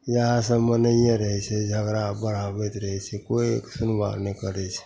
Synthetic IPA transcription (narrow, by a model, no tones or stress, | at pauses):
jəɦãsəmənəjãɾəɦɛt͡ʃʰɛd͡ʒʱəɡɾabəɽ̤abɛt̪ɾəɦɛt͡ʃʰɛkoksunwa̰ɾnɛkəɾɛt͡ʃʰɛ̥